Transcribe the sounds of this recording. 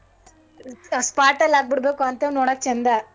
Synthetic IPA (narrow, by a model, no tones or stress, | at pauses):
spaːʈːɐlaːk̚bɪɽbeːkũɐnt̪eːnoːɽaːk̚t͡ʃɛnd̪aː